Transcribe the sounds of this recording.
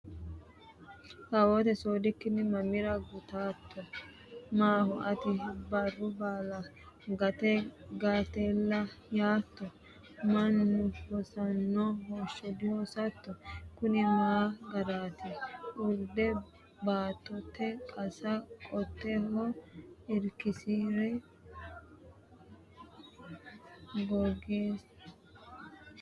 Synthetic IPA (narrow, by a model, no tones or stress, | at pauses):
kɐwoːt̪ɛsoːd̪ɪkːɪnːɪmɐmɪɾɐɡʊt̪aːt̪ːɔ | maːhɔʔɐt̪ɪbɐrːʊbaːlɐ | ɡɐt̪ɛɡat̪ɛlːɐjaːt̪ːɔ | mɐnːʊhɔsɐnːɔɦoːʃːɔd̪ɪhosɐt̪ːɔkʊnɪmaːɡɐɾaːt̪ɛʊɾd̪ɛ | baːt̪ːɔt̪ːɛkʼɐsɐkʼɔt̪ːɛhɔɪɾkɪsiːɾɛ | ɡɔɡeːs